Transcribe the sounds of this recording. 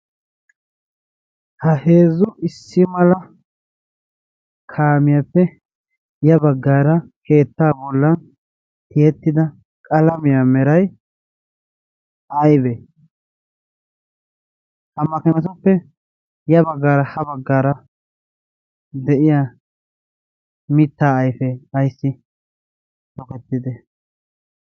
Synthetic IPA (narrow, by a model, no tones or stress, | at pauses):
hɐhe̞ːzʊɪsːɪmɐlɐ | kʰaːmɪjapːɛ | jɐbɐɡːaːɾɐkʰe̞ːt̪ːaːbɔlːɐn | t̪ɪjɛt̪ːɪd̪ɐ | kʼɐlɐmɪjamɛɾɐj | ɐjbe | hɐmːɐkɛnɐs̬ɔpːɛ | jɐbɐɡːaːɾɐhɐbɐɡːaːɾɐ | d̪ɛʔɪjaː | mɪt̪ːaːjfeɐjsːɪ | t̪ɔkɛt̪ːɪd̪ɛ